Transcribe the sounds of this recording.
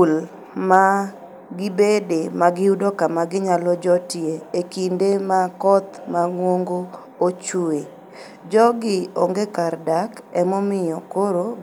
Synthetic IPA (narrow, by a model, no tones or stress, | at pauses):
ul | ma | ɡɪbedemaɡɪudokamaɡɪɲalɔd͡ʒɔtɪeekindemakɔt̪maŋwoŋɡo | ot͡ʃue | d͡ʒɔɡɪoŋɡekardakɛmɔmɪjɔkoɾo